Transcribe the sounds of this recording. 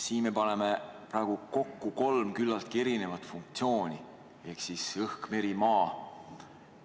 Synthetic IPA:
siːnme̞pɑne̞me̞pɾɑˑeɡ̥uko̞kːuko̞lmkylːɑlt̪ke̞ɾine̞vɑt̪ːˑfuŋk̚t̪sio̞ːnʲi | e̞hksisɤhkme̞ɾimɑː

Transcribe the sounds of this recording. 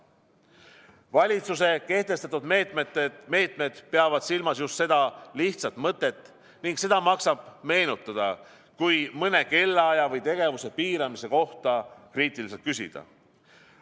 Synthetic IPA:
vɑlʲit̪suse̞ke̞ht̪e̞st̪ɑt̪ːud̪meːt̪met̪ːme̞ːt̪ˑmed̪̥pe̞ɑvɑd̪̥silmɑsjust̪se̞d̪̥ɑliht̪sɑt̪ˑmɤt̪ˑːe̞t̪ː | niŋkse̞d̪ɑmɑksɑb̥me̞ːnut̪ːˑɑd̪̥ɑ | kujmɤne̞ke̞lːɑjɑvɤjt̪e̞ɡ̥e̞vuse̞piːɾɑmise̞ko̞ht̪ɑkriːt̪ˑilise̞lt̪kysḭd̪̥ɑ̰

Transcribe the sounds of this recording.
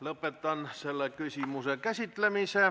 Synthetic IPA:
lopet̪ːˑɑnselːækysimusekæsit̪læmise

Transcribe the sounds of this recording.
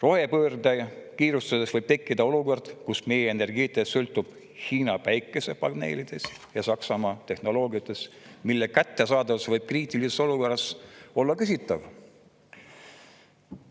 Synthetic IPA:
ro̞he̞pøːrd̪ɑjɑkiːɾust̪ɑsesvɤjb̥̚t̪e̞kːid̪̥ɑo̞luko̞rd̪̥kusme̞jeene̞rɡiːt̪ːˑesølt̪ːˑub̥ | hiːnɑpæjkːˑese̞pɑɡne̞̰ːlid̪̥e̞sjɑsɑksɑmɑːt̪e̞hno̞lo̞ːɡiɑt̪ːˑe̞s | milːekæt̪ːe̞sɑːd̪ɑvɑsvɤjb̥̚kriːt̪ˑiliseso̞luko̞rɑso̞lːɑkysʲit̪ːˑɑv

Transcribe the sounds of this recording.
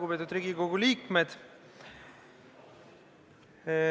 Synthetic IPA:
ubet̪ud̪ɾiːɡiko̞ɡ̥uliːkmed̪̥

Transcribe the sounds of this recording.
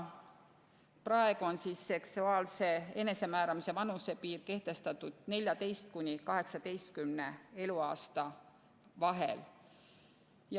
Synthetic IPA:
prɑe̞ɡ̥uo̞nsiːsːe̞ksuɑːlse̞e̞ne̞se̞mæːɾɑmise̞vɑnuse̞piːrke̞ht̪e̞st̪ɑt̪ːˑud̪̥ne̞lʲjɑt̪e̞jst̪̚kunʲːikɑɦe̞ksɑd̪̥e̞jst̪̚kymne̞e̞luɑːst̪ɑ | vɑɦe̞̰l | j

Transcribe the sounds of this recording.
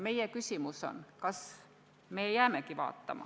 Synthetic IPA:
me̞jekysʲimuso̰nkɑs | mejæːmekiʋɑ̰ːt̪ːɑ̰mɑ̰

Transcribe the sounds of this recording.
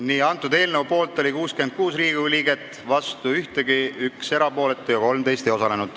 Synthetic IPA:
niːɑnt̪ːˑud̪e̞ːlnevupo̞ːlt̪ːˑo̞lʲikuːskyend̪̚kuːsriːɡ̥iliːɡe̞t̪ːˑ | vɑst̪uyht̪eɡiykse̞ɾɑpo̞ːle̞t̪ːˑujɑko̞lmd̪e̞jst̪ejo̞sɑle̞nud̪̥

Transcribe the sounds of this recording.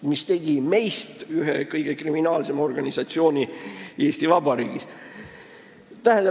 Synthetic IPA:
mist̪e̞ɡ̥ime̞jst̪yɦḛkɤjɡ̥ekriminɑːlse̞mo̞rɡ̥ɑnʲisɑt̪sio̞ːnʲie̞ːst̪ivɑbɑɾiːɡ̥is | t̪æɦɛ̃nd̪ɑ

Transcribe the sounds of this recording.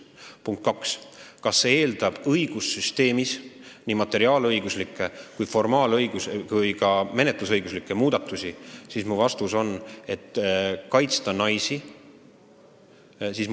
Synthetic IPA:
puŋkt̪̚kɑkskɑsːee̞ːld̪ɑb̥ɤjɡ̥usːyst̪e̞ːmisnimɑt̪ːˑe̞ɾiɑːlɤjɡ̥uslikːˑe̞kujfo̞rmɑːlɤjɡusvujkɑme̞ne̞t̪lusɤjɡuslikːˑe̞muːd̪̥ɑt̪ːˑusʲisismuvɑst̪uso̞ne̞t̪ːkɑjt̪st̪ɑnɑjsi | sis

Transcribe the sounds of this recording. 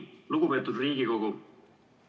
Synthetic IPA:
luɡ̥upe̞ːt̪ːud̪̥riːɡiko̞ɡu

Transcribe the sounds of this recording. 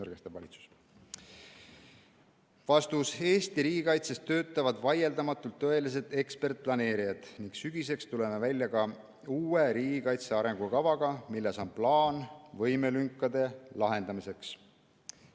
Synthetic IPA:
ɤrɡ̥est̪ɑvɑlʲit̪su̥s | vɑst̪use̞ːst̪iɾiːɡikɑjt̪sest̪ːø̞ːt̪ːˑɑvɑd̪̥vɑje̞ld̪ɑmɑt̪ːˑult̪ːɤ̞e̞lis̬e̞d̪̥e̞kspe̞rt̪̚plɑne̞ːɾijɑd̪̥niŋksyɡ̥ise̞kst̪ule̞me̞vælʲːjɑkɑ | uːeɾiːɡ̥ikɑjt̪se̞ɑɾe̞ŋɡ̥ukɑvɑɡ̥ɑmilːeso̞nplɑːnvɤ̞jmelyŋkːˑɑd̪e̞lɑɦe̞nd̪ɑmise̞ks

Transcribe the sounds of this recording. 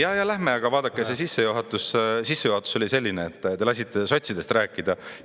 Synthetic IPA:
jɑjɑlæhme̞ɑɡ̥ɑvɑːd̪ɑkːˑesesisːe̞juɦɑt̪ːˑussisːe̞juhɑt̪ːˑuso̞lʲise̞lʲːineet̪ˑːelɑs̬ʲit̪ːˑe̞so̞t̪ʲsid̪e̞st̪ræːkːˑid̪̥ɑ

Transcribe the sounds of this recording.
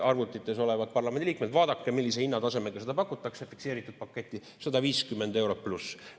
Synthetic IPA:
ɑrvut̪ːˑit̪ːˑe̞so̞lɛvɑd̪̥̚pɑrlɑme̞nd̪iliːk̚med̪̥vɑːd̪ɑkːemilːisehinːɑt̪ɑse̞meɡ̥ɑse̞d̪̥ɑpɑkːut̪ːˑɑksjɑfikseːɾit̪ːˑud̪̚pɑkːˑe̞t̪ˑːi | sɑd̪ɑviːskymːend̪e̞wɾo̞plus

